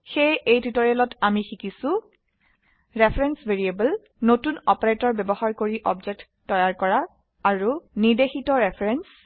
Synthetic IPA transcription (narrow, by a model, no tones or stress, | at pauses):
xejejtitɔɹɛlɔtamixikisʊ̃ | ɹepʰɹɛnsbʱeɹiebəl | notunɔpɔɹetɔɹbɛbɔɦaɹkoɹiʔɔbd͡ʒɛk̚tːɔjaɹkɔɹaː | ɹunidexitɔɹepʰɹɛns